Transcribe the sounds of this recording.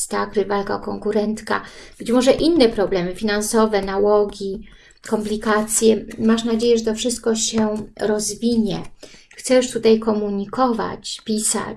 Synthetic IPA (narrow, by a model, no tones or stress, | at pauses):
st̪akɾɘvalkaɔkɔŋkuɾɛnt̪ka̰b̥ɘt͡ɕmɔʐɛʔinːɛpɾɔblɛmɘfʲinansɔvɛnawɔɡʲi | kɔmplʲikat̪sʲjɛmaʂnad͡ʑejɛʐɛt̪ɔfʂɘst̪̚kɔɕɛɾɔzvʲiɲɛ | xt̪sɛjuʂt̪ut̪ajkɔmuɲikɔva̰t͡ɕpʲisa̰